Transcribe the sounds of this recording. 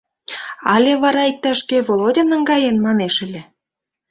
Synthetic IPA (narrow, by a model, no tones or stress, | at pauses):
ɑlʲeβɑɾɑik̚t̪ɑʃkeβolodʲenə̆ŋɡɑjenmɑneʃə̆lʲĕ